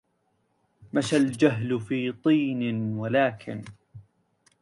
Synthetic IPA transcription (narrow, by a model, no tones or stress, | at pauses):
maʃald͡ʒaɦlfiːt̪ˤiːnɪnwalaːkʰɪ̰n